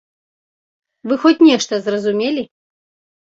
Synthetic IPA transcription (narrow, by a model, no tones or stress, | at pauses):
vɨxɔt͡sʲnʲɛʂt̪ɐzrɐzumʲelʲi